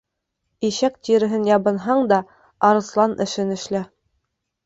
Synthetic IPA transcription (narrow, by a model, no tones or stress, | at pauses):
iɕæk̚t̪ʲiɾɘ̆ɦɘnjɑβɤ̆nɦɑɴd̪ɑ | ɑɾɤ̆slˠɑnʔɘ̆ʃɘnɘ̆ʃlæ